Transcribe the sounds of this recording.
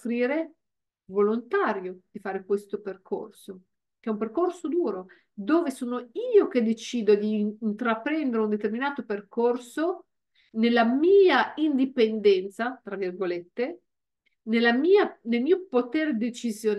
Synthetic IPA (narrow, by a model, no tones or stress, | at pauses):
fɾiːɾe | volont̪aːɾjod̪̥ifaːɾekwest̪operkʰo̰rso | k̟eɛumperkorsod̪uːɾo | d̪oːvesoːnoiːok̟ed̪et͡ʃiːd̪od̪iːnt̪ɾapɾɛnd̪eɾeund̪et̪erminaːt̪operkorso | nelːamiːaind̪ipend̪ɛnt̪sat̪ɾavirɡolet̪ːe | nelːamiːanelmiːopot̪eːɾed̪et͡ʃizjon